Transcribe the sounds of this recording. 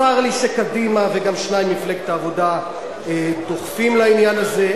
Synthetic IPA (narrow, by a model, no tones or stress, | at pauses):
aʁliʃekadimaveɡamʃnaimniflek̚t̪aːvo̞da | et̪o̞χfimlainjanaze